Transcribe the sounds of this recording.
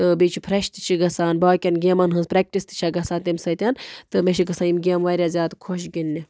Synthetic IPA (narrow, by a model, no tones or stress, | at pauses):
t̪ɨbit͡ʃʰipʰɾɐʃt̪i̥t͡ʃʰiɡɐsaːnbaːkʲɐnɡʲeːmɐnɦɨnzpɾek̚ʈist̪ɨ̥t͡ʃʰaɡɐsaːnt̪imsɐt̪ʲɐnt̪ɨmeʃʰiɡɐsaːnimɡʲeːmʋaːɾʲjazʲaːt̪kʰoʃ̬ɡinʲːi